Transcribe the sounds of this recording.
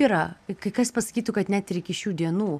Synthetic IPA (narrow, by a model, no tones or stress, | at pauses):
iːɾɐkɐɪkɐspɐsɐ̥kʲiːt̪ʊkɐt̪nʲɛt̪ɾʲɛɪkʲɪʃʲuːd̪ʲiɛnuː